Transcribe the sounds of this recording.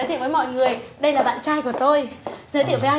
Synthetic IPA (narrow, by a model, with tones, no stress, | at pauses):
jt̪ḭ˧˨wvːmɔ̰˧˨jŋɨ˨˩əjɗə˧jlaː˨˩ɓa̰ː˧˨nt͡ɕaː˧jku˧˩ət̪o˧jzəː˨˦t̪̬ḭ˧˨əvə˨˦ʔa˧